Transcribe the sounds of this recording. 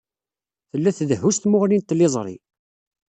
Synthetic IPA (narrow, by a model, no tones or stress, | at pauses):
θəlːæθðəhːust̪mʊʁlint̪ːlɪzˤɾˤḭ